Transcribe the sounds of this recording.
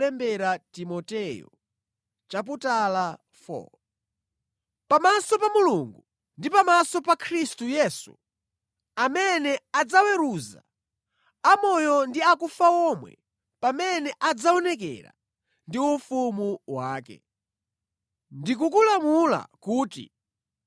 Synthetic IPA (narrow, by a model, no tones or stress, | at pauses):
ɛmbɛɾatimɔtɛjɔ̰ | t͡ʃap̬utala | fɔ̰ | pamasɔpamuluŋɡu | ndipamasɔpakʰɾistujɛsṵ | amɛnɛad͡zawɛɾuza̰ | amɔjɔndiakufaɔmwɛ̰ | pamɛnɛʔad͡zaɔnɛkɛ̰ɾa̰ | ndiufumuwaːkɛ̰ | ndik̬ukulamula̰kuːtḭ